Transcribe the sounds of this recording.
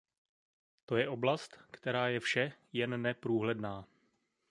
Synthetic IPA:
t̪o̞jɛʔo̞blast̪kt̪ɛɾaːjɛfʃɛjɛnːɛpɾuːɦlɛdnaː

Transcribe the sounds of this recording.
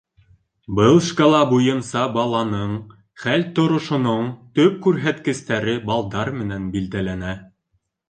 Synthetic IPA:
bɤlˠʃkolˠɑbujɤ̆nsɑbɑlˠɑnɤɴ | χælt̪ŏɾŏʃŏnoɴt̪ɵp̚kʉɾɦæt̪kɘ̆st̪æɾɘbɑlˠd̪ɑɾmɘ̆nænbild̪ælænæ

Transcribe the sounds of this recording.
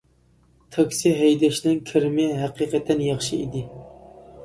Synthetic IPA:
t̪ʰɑkʲsiɦɛjd̪ɛʃnɪŋkʲʰɪɾmɪɦæqiqɛt̪ʰːɛnjɑχʃɨḭd̪ɪ

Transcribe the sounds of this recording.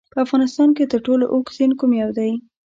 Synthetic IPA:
pəafɣɑnɪst̪ɑnket̪əɾʈolo̰ʔoksenkumjɑwd̪aj

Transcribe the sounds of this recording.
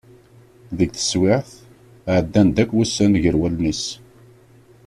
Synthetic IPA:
ðəɡθə̥swɪʕθ | ʕəd̪ːænd̪ækʷːwæsːænʝəɾwælnis

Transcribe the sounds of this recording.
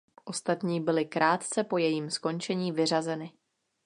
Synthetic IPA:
ʔo̞st̪at̪ɲiːbɪlɪkɾʔaːt̪t͡sɛpo̞jɛjiːmsko̞nt͡ʃɛɲiːvɪrazɛnɪ

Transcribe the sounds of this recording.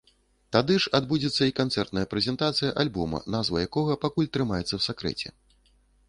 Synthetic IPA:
t̪ad̪ɨʂad̪bud͡zʲɛt̪sːɐikant̪sɛrt̪nɐjɐpɾɛzʲɛnt̪at̪sɨjɐʔalʲbɔmɐ̰nazvɐjakɔɣɐpakulʲt̪ɾɨmajɛt̪sːɐwsakɾɛ̰t͡sʲɛ̰

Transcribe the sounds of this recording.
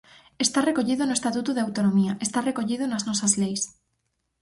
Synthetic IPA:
est̪arekoʎiðonʊest̪at̪ut̪uðeawt̪onomiaʔest̪arekoʎið̞ʊnaznɔsɐzlejs

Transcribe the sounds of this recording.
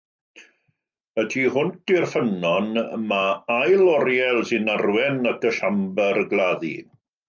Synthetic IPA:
ədʰihʊntirfənɔnmaajlˠɔɾjɛlˠsɪnarwɛnəkʰəɬambərɡlˠaðḭ

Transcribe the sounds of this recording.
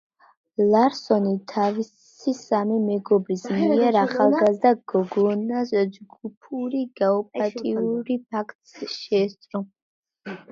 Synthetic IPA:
laɾsɔnit̪ʰavis | isamimɛɡɔbɾismiiɛɾaχalˠɡazd̪aɡ̥ɔɡɔnasd͡ʒɡupʰuɾiɡaɔpʼat̪ʼiuɾip̚ʰakʰt̪ʼsʃɛːst̪sʼɾɔ

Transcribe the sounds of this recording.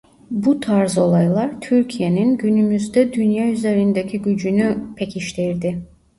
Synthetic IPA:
but̪ʰaɾzo̞lˠajlˠaɾt̪ʰyɾcʰijeninɟynymyzd̪ɛd̪ynjɑyze̞ɾind̪ecʲʰiɟyd͡ʒynypʰecʰiʃt̪ʰiɾd̪i

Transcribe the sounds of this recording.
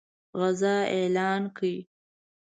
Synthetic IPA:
ɣazɑelɑːnkʰəi

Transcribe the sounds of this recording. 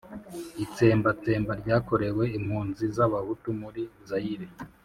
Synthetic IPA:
it͡se̞ːmbat͡se̞ːmbaɾɟaːko̞ɾe̞we̞imhuːnzizaβaβutumuɾizajiɾe

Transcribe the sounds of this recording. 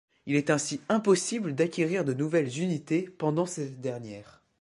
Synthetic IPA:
ilɛt̪ɛ̃siɛ̃pɔsibləd̪akʲeʁiʁd̪ənuvɛlzynit̪epɑ̃d̪ɑ̃sɛd̪ɛʁnjɛːʁ

